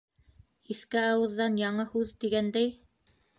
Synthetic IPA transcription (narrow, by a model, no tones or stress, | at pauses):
iθkɘɑwɤ̆ðːɑnjɑɴɤhʉðt̪iɡænd̪æj